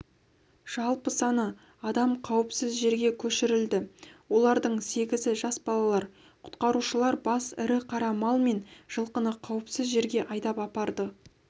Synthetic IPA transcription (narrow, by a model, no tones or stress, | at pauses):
ʒ̥ɑlˠpəsɑnə | ɑd̪ɑmqʰɑwəpsɪzʒe̞ɾɡʲe̞kʲʰɵʃɪɾɪld̪ɪwo̞lˠɑɾd̪əɴse̞ɡʲɪzɪʒɑsbɑlˠɑlˠɑɾ | qʰʊ̥t̪qɑɾuʃəlˠɑɾbɑsɪ̰ɾɪqʰɑɾɑmɑlˠme̞nʒ̥əlˠqənəqʰɑwəpsɪzʒe̞ɾɡʲe̞ʔɑjd̪ɑpɑpɑɾd̪ə